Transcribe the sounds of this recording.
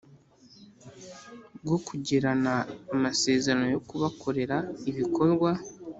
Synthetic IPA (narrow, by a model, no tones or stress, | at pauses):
ɡwo̞kuɟeɾanaːmase̞ːzeɾano̞jo̞kuβakʰo̞ɾe̞ɾaiβikʰo̞ɾɡwa